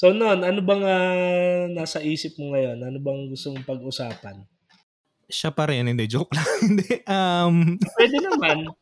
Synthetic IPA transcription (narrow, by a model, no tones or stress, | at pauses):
so̞noʔonʔɐnobɐŋa | naːsɐʔiːsɪp̚mʊŋɐjo̞nʔɐnobɐŋɡʊst̪omʊŋpɐɡʔʊsaːpɐn | ʃapɐɾɪnhɪnd̪ɛd͡ʒoklɐhɪnd̪ɛʔɐmpwɛːd̪ɛnɐman